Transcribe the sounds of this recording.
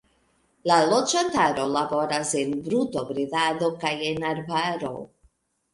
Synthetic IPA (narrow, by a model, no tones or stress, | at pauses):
lalo̞d͡ʒantaɾo̞labo̞ɾase̞nbɾuto̞bɾidado̞kajenaɾvaɾo̞̰